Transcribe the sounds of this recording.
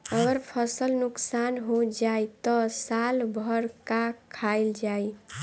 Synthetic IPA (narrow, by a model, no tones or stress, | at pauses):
əɡəɾpʰəsəlnuksanɦod͡ʒajt̪ɔsalbʱəɾkakʰaɪld͡ʒaj